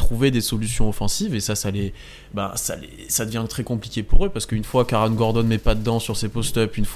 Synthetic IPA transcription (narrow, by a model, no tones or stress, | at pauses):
t̪χuved̪esɔlysjɔ̃ɔfɑ̃sivesasalɛ | bã̰sa̰lɛ̰ | sad̪əvjɛ̃t̪χɛkɔ̃plikʲepuʁøpaʁsə̥kəynfwakaʁanɡɔʁd̪ɔnmɛpad̪əd̪ɑ̃syʁsepɔst̪œpynf